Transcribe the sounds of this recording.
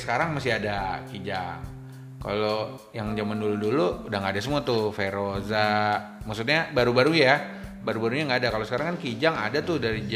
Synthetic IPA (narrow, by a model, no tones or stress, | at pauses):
sə̥kaɾaŋmast̪iadakid͡ʒaŋ | ka̰lo | jaŋd͡ʒamandulʊt̪̚duluudaŋɡaːdas̬əmuat̪ʊfeɾoza | maksut̪̚ɲabaɾubaɾuɲja | baɾubaɾuɲaŋɡaːdakalosə̥kaɾaŋkankid͡ʒaŋa̰dat̪ʊdaɾid͡ʒ